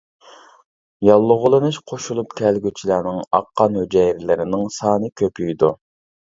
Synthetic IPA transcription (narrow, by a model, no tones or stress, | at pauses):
jɑlˠːʊʁʊlˠɨnɨʃqʰoʃulˠupt̪ʰɛlɡʲyt͡ʃʰilænɪŋɑ̰qʰːɑnhød͡ʒɛjɾɪlɪɾɪnɪŋsɑːnɨkʲʰøpyjd̪ṵ